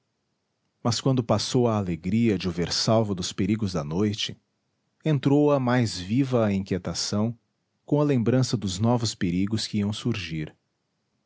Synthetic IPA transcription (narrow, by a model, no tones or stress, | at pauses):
mɐskwɐ̃nd̪ʊpasowɐːleɡɾiɐd͡ʒɪʊveɾsawvʊd̪ʊspeɾiɡʊzd̪ɐnojt͡ʃɪ | ẽnt̪ɾowɐmajzvivɐːĩkiet̪asɐ̃w̃ | kõɐlẽmbɾɐ̃sɐd̪ʊznɔvʊspeɾiɡʊskɪiɐ̃w̃suɾʒiɾ